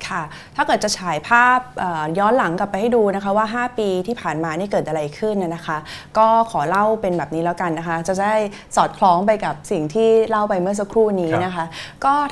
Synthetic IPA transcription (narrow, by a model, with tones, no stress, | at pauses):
kʰa˥˩ | t̪ʰaː˥˩kɤ˨˩t̪t͡ɕ̚t͡ɕʰaː˩˦jpʰaː˥˩p̚ʔaː˨˩jɔː˦˥nla˩˦ŋka˨˩pːjha˥˩jduː˧na˦˥kʰa˦˥waː˥˩ɦaː˥˩piː˧t̪ʰiː˥˩pʰaː˨˩nmaː˧niː˥˩kɤː˨˩t̪ʔa˧ɾa˧jkʰɯ˥˩na˧˩na˦˥kʰa˦˥kɔː˥˩kʰɔː˩˦la˥˩wpe˧nbɛː˨˩p̚niː˦˥lɛː˦˥wka˧nːa˦˥kʰa˦˥t͡ɕa˨˩da˥˩j | sɔː˨˩t̪̚kʰlɔː˦˥ŋpa˧jka˨˩p̚si˨˩ŋt̪ʰiː˥˩la˥˩wpa˧jmɯ˥˩ɐs̬a˦˧˥kʰɾuː˥˩niː˦˥na˦˥kʰa˦˥kɔː˥˩